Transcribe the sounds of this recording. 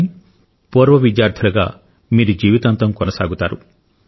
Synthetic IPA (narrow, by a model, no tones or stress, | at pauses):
m | poːɾʋɐʋidjaːɾt̪ʰilɐɡa̰ː | miːɾud͡ʒiːʋit̪ant̪ɐmkɔnɐsaːɡut̪aːɾu